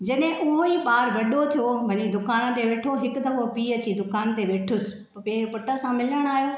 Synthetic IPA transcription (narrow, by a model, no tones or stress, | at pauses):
d͡ʑɐɗɦɪ̃ʔʊɦõipaːɾʋɐɗot̪ʰijobʱɐɲid̪ʊkaːnə̆t̪eʋeːʈʰoɦɪkʊd̪ɐʋopiːɐt͡ɕid̪ʊkaːnt̪eʋeːʈʰʊsɪ̥̆ | peːɪɾpʊʈəsãmɪləɽ̃aːɦjo